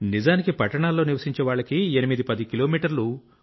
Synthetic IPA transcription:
nizaːnikipɐʈːɐɳaːlːo̞ːniɾʋɐsiɲt͡ʃɛʋaːɭːɐkienimid̪ipɐd̪ikiloːmiːʈɐɾlu

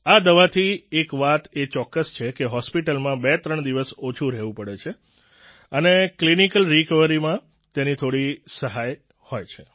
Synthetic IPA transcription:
ad̪əʋat̪ʰiekʋat̪et͡ʃɔkːəst͡ʃʰekeɦɔspiʈəlmãbet̪ɾəɳd̪iʋəsot͡ʃʰũɾɛɦʋũpəɽet͡ʃʰe | əneklinikəlɾikəʋəɾimã | t̪enit̪ʰoɽisəɦaj | hojt͡ʃʰe

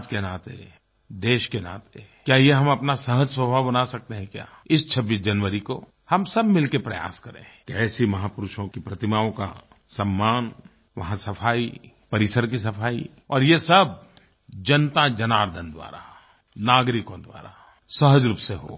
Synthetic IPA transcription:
d͡ʒkenaːt̪ḛ | d̪eːʃkena̰ːt̪e | kjaːjeɦɐmɐpnasɐɦəd͡ʒswəbʱabɐnasɐk̚t̪eɦɛ̃kja̰ːɪst͡ʃʰɐbːiːs̬d͡ʒɐnʋəɾiko | hɐmsɐbmɪlkepɾɐja̰ːskɐɾḛ̃kɛːsimɐɦaːpʊɾʊʃõkipɾɐt̪ɪmaːõka̰ | sɐmːaːn | ʋɐ̰ɦãsɐfʰaːi | pɐɾɪsəɾk̬isɐpʰaːḭ | ɔːɾjesɐb̚ | d͡ʒɐnt̪ad͡ʒɐnaːɾd̪ʱənd̪wa̰ːɾa̰ | naːɡɾɪkõd̪wa̰ːɾa̰ | sɐɦəd͡ʒɾuːpseɦo̰ː

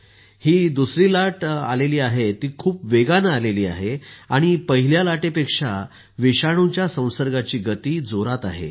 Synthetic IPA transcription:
hiːd̪usɾiːlaʈa̰leliːaɦet̪iːkʰuːpʋeɡanəːleliːa̰ɦeaɽ̃ipəɦiljalaʈepekʂa | ʋiɕaɽ̃ut͡ɕjasə̃w̃səɾɡat͡ɕiːɡət̪iːd͡zoɾat̪a̰ɦḛ

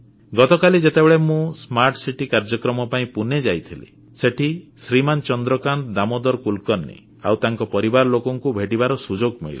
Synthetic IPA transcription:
ɡɔt̪ɔkalid͡ʒet̪ebeɭemũsmaɾʈsiʈikaɾd͡ʒɔkɾɔmɔpaĩpuned͡ʒajt̪ʰilḛ | seʈʰisɾimant͡ʃɔnd̪ɾɔkant̪d̪amɔd̪ɔɾkulkɔnːḭ | a̰wt̪aŋkɔpɔɾibaɾlokɔŋkubʱeʈibaɾɔsud͡ʒoɡmḛɭili

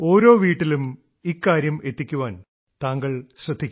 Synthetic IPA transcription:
o̞ːɾo̞ːʋiːʈːilum | ikːaːɾjɐme̞t̪ːikʲːuʋaːn | t̪aːŋɡɐɭɕrɐd̪ʱːikʲː

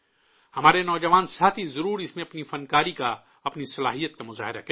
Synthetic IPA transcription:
hɐmaːɾenɔːd͡ʒɐʋaːnsaːt̪ʰizɐɾuːɾɪsmẽɐpnifɐnkaːɾika | ɐpnisɐlaːɦijət̪̚kamʊza̰ːɦɪɾa̰kɐ

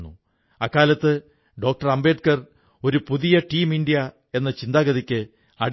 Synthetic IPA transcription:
nːṵ | ɐkːaːlɐt̪ːɨ | ɖo̞ːk̚ʈɐrɐmbe̞ːʈ̚kɐr | o̞ɾupuðijɐʈiːmiɳɖijɐ | e̞nːɐt͡ɕind̪aːɡɐðikʲːɨ | ɐɽ

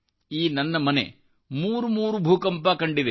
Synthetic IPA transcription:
iːnɐnːɐmɐnḛ | muːɾumuːɾubʱuːkɐmpaːkɐɳɖid̪e

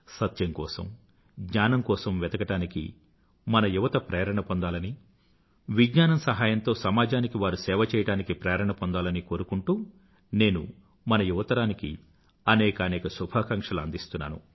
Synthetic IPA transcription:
sɐt̪jɐŋkɔːsɐ̰m | ɡɲaːnɐmkɔːsɐmʋɛd̪ɐɡɐʈaːnikḭ | mɐnɐjuʋɐt̪ɐpɾɛːɐɾɐɳɐpond̪aːlɐni | ʋiɡɲaːnɐmsɐɦaːjɐnt̪o̞ːsɐmaːd͡ʒaːnikiʋaːɾusɛːʋɐt͡ʃɛːjɐɽaːnikipɾɛːɐɾɐɳɐpond̪aːlɐniko̞ːɾukuɳʈuː | ne̞ːnṵ | mɐnɐjuʋɐt̪ɐɾaːnikḭ | ɐnɛːkɐːnɛːkɐsubʱaːkɐŋkʂɐluɐnd̪ist̪unːa̰ːnṵ

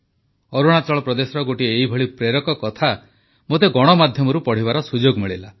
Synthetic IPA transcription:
ɔɾuɽ̃at̪ɾɔɭɔpɾɔd̪esɔɾɔɡoʈieibʱɔɭipɾeɾɔkɔkɔt̪ʰa | mot̪eɡɔɽ̃ɔmad̪ʱjɔmɔɾupɔɽ̤ibaɾɔsud͡ʒoɡmiɭila

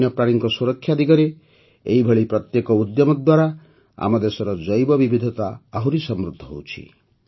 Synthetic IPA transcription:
jɔpɾaɽ̃iŋkɔsuɾɔkʰːjad̪ʱikɔɾe | ḛibʱeɭipɾɔt̪jekɔud̪jɔmɔd̪waɾa | a̰mɔd̪esɔɾɔd͡ʒɔjbɔbibid̪ʱɔt̪aːɦuɾisɔmɾud̪ʱːɔɦowt͡ʃʰḭ

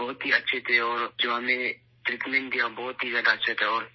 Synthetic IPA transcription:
bɔːʊt̪ɦiɐtːʃʰet̪ʰeɔːɾd͡ʒoːɦɐmẽ | t̪ɾit̪mɛ̃nd̪iãbɔːʊt̪ɦizjaːd̪atːʃʰet̪ʰɛɔːɾ

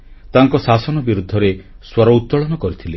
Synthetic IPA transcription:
t̪aŋkɔsasɔnɔbiɾud̪ʱːɔɾe | swɔɾɔut̪ːɔɭɔnɔkɔɾit̪ʰile

